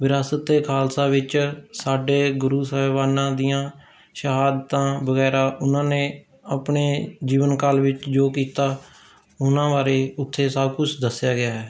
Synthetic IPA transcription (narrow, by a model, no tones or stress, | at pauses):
ʋɪɾaːsət̪ːeːkʰaːlsaːʋɪt͡ʃsaːɖeːɡʊɾuːsəɛːʋaːnãːd̪ijãː | ʃəɦaːd̪t̪ãːbəɡɛːɾaːʔʊnãːnẽː | əpɳeːd͡ʒiːʋənkaːlʋɪt͡ʃd͡ʒoːkiːt̪aː | ʊnãːʋaːɾeːʊt̪ʰːeːsəbkʊt͡ʃʰd̪əsjaːɡɪaːɦɛː